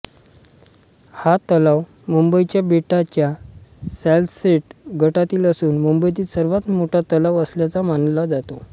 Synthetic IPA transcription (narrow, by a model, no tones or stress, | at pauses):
hat̪əlaʋmumbəit͡ɕjabeʈat͡ɕjasɛlseʈɡʱəʈat̪iːləsuːnmumbəjt̪̬iːlsəɾʋat̪moʈʰat̪əlaʋəsljat͡samanlad͡zat̪o